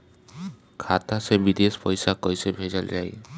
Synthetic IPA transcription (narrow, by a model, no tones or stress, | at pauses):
kʰat̪asebid̪espɔjsakɔjsebʱed͡ʒəld͡ʒaj